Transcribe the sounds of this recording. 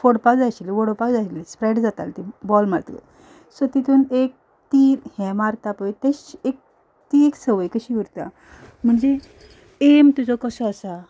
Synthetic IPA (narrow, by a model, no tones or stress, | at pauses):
foɽpakd͡zaɕiliʋoɽopakd͡zaɕilispɾeɖd͡zat̪a̰lt̪ibɔlmaɾt̪ə̰ | sɔt̪it̪uːnek̚ | t̪iɾhɛ̃maɾt̪apəjt̪eɕek̚ | t̪iekt͡səʋəjkəɕiʋuɾt̪a̰ | m̤əɳd͡ze | emt̪ud͡zɔkɔsəːsa